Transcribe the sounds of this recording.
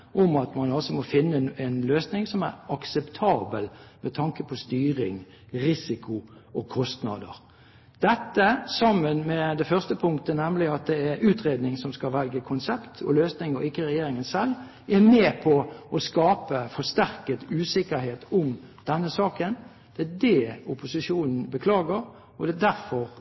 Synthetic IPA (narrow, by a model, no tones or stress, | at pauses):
ʔɔmɑt̪mɑnɔlsɔmɔfɪnːəɛnløːsnɪŋsɔmæɾɑksɛpt̪ʰɑːbə̰lmɛt̪ʰɑŋkəpʰɔst̪yːɾɪŋ | ɾɪsɪkʰʊʔɔkʰɔst̪nɑ̰d̪əɾ | d̪̥ɛt̪ːəsɑmːənmɛd̪ɛfœʁst̪əpʰʊŋkt̪ənɛmlɪɑt̪̚d̪ɛæɾʉːt̪ɾeːd̪nɪŋsɔmskɑʋɛlɡəkʰʊnsɛpt̪ʰɔløːsnɪŋɔɪkːəɾɛjeːɾɪŋənsɛl | ɛmɛːpʰɔʔɔskɑːpəfɔst̪æɾkət̪ʉːsɪkːəɾɦeːt̪ʰʊmd̪̥ɛnːəsɑːkən | d̪̥ɛæd̪ɛʊpʊsɪʂuːnn̩bəkʰlɑːɡəɾ | ɔd̪ɛd̪æɾfɔʁ